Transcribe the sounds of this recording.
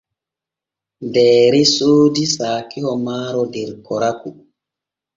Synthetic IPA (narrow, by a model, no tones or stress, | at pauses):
dɛːɾɛsoːdisaːkihɔmaːɾɔdɛɾkɔɾaku